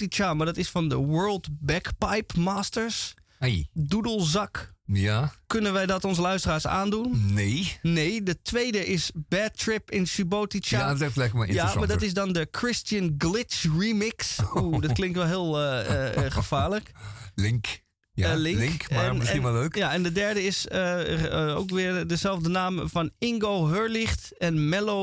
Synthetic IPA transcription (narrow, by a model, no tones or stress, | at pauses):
tit͡ʃamaɹdɔtɪsfɔndəʋɜɹlˠdbɛkpajpmaːstəɹs | dudəlˠzɑkjakːønənʋɛjdɔtonsəlœɥstəraːɹsa̰ːndunneneːdətʋejdəʔɪsbɛtrɪpɪnsybotit͡ʃaatɛflɛkəmaɪ̰jamadɔtɪs̬dɔndəkʰrɪstjənɡlɪtsrimɪksudɔtklɪŋktʋɛlˠɦɪːlˠəxəfaːɹləklɪŋk | jlɪlɪkŋkmɛninaløːkjaɛndədɛɹdəɪsə | o̰ːkʋɪəɹdəzɛlˠvdənaːmfɔnɪŋɡowɦøɹlɪxt | ɛnmɛlo